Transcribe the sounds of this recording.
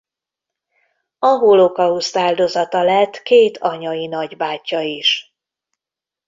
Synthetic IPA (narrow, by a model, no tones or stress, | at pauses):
ɒɦolokɒust̪aːld̪o̞zɒt̪ɒlɛt̪ːkeːt̪ʰɒɲɒinɒɟbaːcːɒiʃ